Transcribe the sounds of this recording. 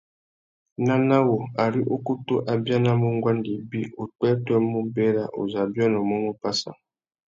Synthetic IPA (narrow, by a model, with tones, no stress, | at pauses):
na˦na˦wo˨a˨ɾi˦ʔo˦ku˦to˦ʔa˨bja˦na˦mu˦ŋ˦ɡwa˦ndi˨bi˦o˨tɛ˦twɛ˦mu˦be˦ɾa̰˦ʔo̰˨za˨bjɔ˦nɔ˨mɔ˦mu˦pa˦sa̰˨